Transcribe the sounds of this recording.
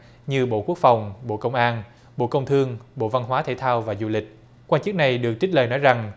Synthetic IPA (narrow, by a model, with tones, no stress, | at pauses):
ɲɨ˧ɓo̰˧˨ku˦˥ək̚fa˨˩wŋ͡mɓo̰˧˨kə˧wŋ͡mʔaː˧n | ɓo̰˧˨kə˧wŋ͡mt̪ʰɨ˧əŋɓo̰˧˨va˧nɦwaː˨˦t̪ʰḛ˧˩t̪ʰaː˧wvaː˨˩zu˧lï˨˩k̟̚ | kwaː˧nt͡ɕɨ˦˥k̚na˨˩jɗɨ˨˩ək̚t͡ɕi˦˥t̟̚ləː˨˩nɔ˨˦jza˨˩ŋ